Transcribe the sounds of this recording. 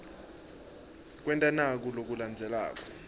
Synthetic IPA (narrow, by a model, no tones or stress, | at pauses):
k̬ʼwɛntʼanak̬ulok̬uland͡zʱɛla̰ːk̬ʼɔ̥